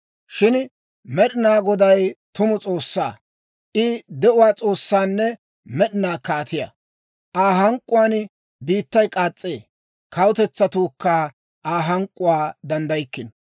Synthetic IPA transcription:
ʃɪn | mɛɗɪnaːɡɔd̪ɐjt̪ʊmʊt͡sʼo̞ːsːa̰ː | ʔɪd̪ɛʔʊwaːt͡sʼo̞ːsːaːnːɛ | mɛɗɪnaːkaːt̪ɪja̰ | ʔaːɦɐŋkʼːʊwaːn | biːt̪ːɐjkʼaːt͡sʼːeː | kʰɐwʊt̪ɛt͡sːɐt̪uːkːa | ʔaːɦɐŋkʼːʊwaːd̪ɐnd̪ɐjkːɪn

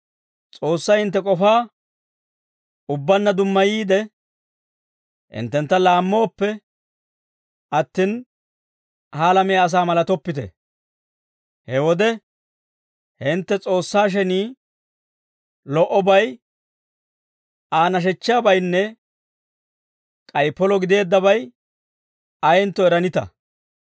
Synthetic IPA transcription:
t͡sʼo̞ːsːɐjhɪnt̪ːɛkʼɔfaː | ʊbːɐnːɐd̪ʊmːɐjiːd̪ɛ | ʔɪ̰nt̪ːɛnt̪ːɐlaːmːo̞ːpːɛ | ʔɐt̪ːin | haːlɐmɛjaːs̬aːmɐlɐt̪ɔpːɪt̪ɛ̰ | hɛwɔd̪ɛ | hɪnt̪ːɛt͡sʼo̞ːsːaːʃ̬ɛniː | lɔʔɔbɐj | ʔaːnɐʃ̬ɛt͡ʃːɪabɐjnːɛ | kʼɐjpːɔlɔɡɪd̪e̞ːd̪ːɐbɐj | ɐjɪnt̪ːɔɛɾɐnɪt̪ɐ̰

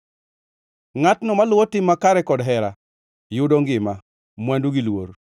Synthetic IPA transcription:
ŋatnɔmalʊwɔtɪmːakaɾɛkɔdɦɛɾa | jʊdoŋɡɪma | mwanduɡilwoɾ

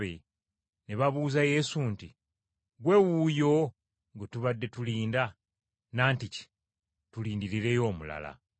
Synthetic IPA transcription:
βḛ | neβaβuːzaje̞sunti | ɡwe̞wujo̞ | ŋɡetuβadːe̞tuliːnda | naːntici̥ | tuliːndiɾiɾe̞jo̞ːmula̰la̰

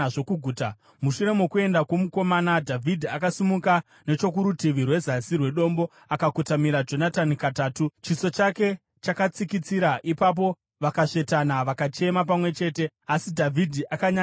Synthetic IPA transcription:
ʐokuɡʱuːta | muʃuɾe̞mokue̞ndakwomuko̞maːnadʱavʱidʱiakasimuka | ne̞t͡ʃo̞k̬uɾutiʋirwe̞zasirwe̞ɗo̞mbo̞ | akakutamiɾad͡ʒo̞natanikataːtut͡ʃiso̞t͡ʃake̞ | t͡ʃakat͡sikit͡siɾaʔipap̬o̞ | ʋakaʂe̞tanaʋakat͡ʃe̞map̬amwe̞t͡ʃe̞ːte̞ | asidʱavʱidʱiʔakaɲa

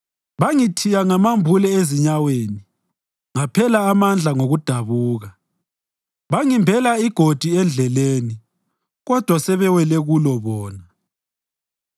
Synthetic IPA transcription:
βaŋitʰijaŋamambʱulɛeziɲaweːni | ŋapʰɛlaːmand͡ɮʱaŋoɣud̥ʱaβuːɣa | βaŋimbʱɛlaiɡ̥ʱod̥ʱiɛnd͡ɮʱɛleːni | ɣɔd̥ʱwasɛβɛwɛlɛɣulɔβɔːna

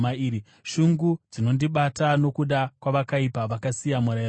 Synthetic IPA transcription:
maiːɾi | ʃuŋɡud͡zino̞ndiɓatano̞kuɗakwaʋakaipaʋakasijamuɾa

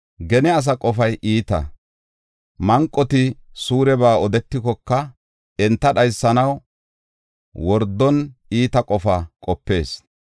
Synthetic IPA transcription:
ɡɛnɛɐs̬ɐkʼɔfɐjʔiːt̪ɐ̰ | mɐŋkʼːɔt̪ɪsuːɾɛbaːɔd̪ɛt̪ːɪkɔkːɐ | ɛnt̪ːɐɗɐjsːɐnɐw | wɔɾd̪ːɔniːt̪ɐkʼɔfɐkʼɔpːe̞ːs

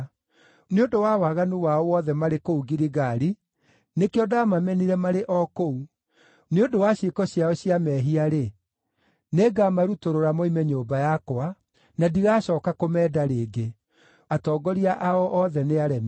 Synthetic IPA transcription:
neodowawaɣanuwaɔwɔðɛmaɾekouɡiɾiɣaɾi | nekeɔdaamamɛniɾɛmaɾeʔɔkou | neondowaɕekɔɕjaɔɕijamɛːɦiaɾe | neːɡamaɾutoɾoɾamɔimɛɲoːbajakwa | nadiɣaːɕɔːkakomɛːdaɾeːɡe | atɔːɡɔɾiaʔaɔʔɔðɛneaɾɛm

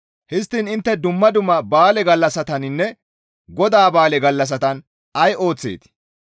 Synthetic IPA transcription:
hɪst̪ːinɪnt̪ːɛd̪ʊmːɐd̪ʊmːɐbaːlɛɡɐlːɐsɐt̪ɐnɪnːɛ | ɡɔd̪aːbaːlɛɡɐlːɐs̬ɐt̪ɐn | ɐjʔo̞ːt͡sːḛːt̪

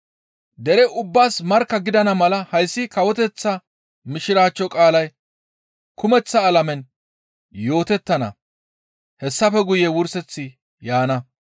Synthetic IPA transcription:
d̪ɛɾɛʔʊbːaːsmɐɾkːɐɡɪd̪ɐnɐmɐlɐhɐjsːɪkɐwɔt̪ɛt͡sːɐ | mɪʃɪɾaːt͡ʃːɔkʼaːlɐj | kʊmɛt͡sːɐːlɐmɛn | jo̞ːt̪ɛt̪ːɐnɐ̰ | hɛsːɐfɛɡʊjɛwʊɾsɛt͡sːɪ | jaːnɐ

